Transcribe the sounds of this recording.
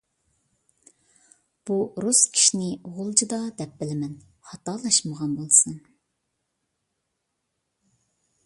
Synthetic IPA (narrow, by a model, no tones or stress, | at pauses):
b̥uɾuskʲʰi̥ʃinɪʁʊlˠd͡ʒid̪ɑd̪ɛp̚bɪlɪmɛn | χɑt̪ɑlˠɑʃməʁɑnbolˠsɨn